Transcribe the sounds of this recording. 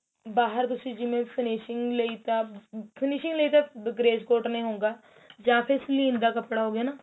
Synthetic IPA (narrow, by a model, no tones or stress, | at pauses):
baːɦəɾt̪ʊsiːd͡ʒɪmẽːpʰɪnɪːʃɪŋɡləiːt̪aːpʰɪnɪʃɪŋɡləiːt̪aːɡɾeːd͡ʒkoːɾʈnĩːɦõːŋɡaː | d͡ʒaːpʰɪɾslĩːnd̪aːkəpɽaːɦoːɡɪjaːnaː